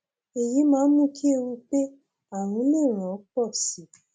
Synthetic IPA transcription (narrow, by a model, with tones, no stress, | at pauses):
e˨ji˨˦mãː˨˦˧mũ˦kʰi˦e˦˧ɾu˧k͡pe˦ | a˦˨ɾ̃ũ˨˦lĩ˦˨ɾ̃ã˨ɔ˨˦k͡pɔ˦˨si˨˦